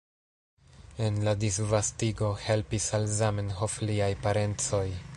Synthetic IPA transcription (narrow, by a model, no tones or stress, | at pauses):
e̞nladisvastiɡo̞he̞lpisalzame̞nɦofliajpaɾe̞nt͡so̞j